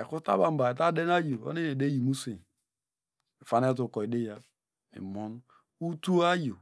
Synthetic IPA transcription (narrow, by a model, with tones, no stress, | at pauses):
e˨ku˦ta̰˦ba˨m̩˦ba˨e˨t̬a˦de˦n˦a˦jo˨o̰˦ne˦ne˨de˦ji˨mu˦se˨ | e˨fa˦ne˦t̬u˨kɔ˨i˨de˦ja˦ | ḭ˨mɔ˦n˦ | u˦tu˦a˦jo˨